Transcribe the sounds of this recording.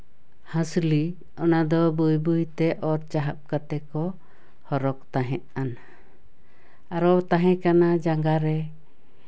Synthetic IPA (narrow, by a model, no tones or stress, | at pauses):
hãsli | ɔnad̪ɔbujbujt̪ɛʔɔɾt͡ʃaɦap̚kat̪ɛkɔ | hɔɾɔk̚t̪aɦɛt̪̚ana | aɾɔt̪aɦɛ̃kanad͡ʒaŋɡaɾɛ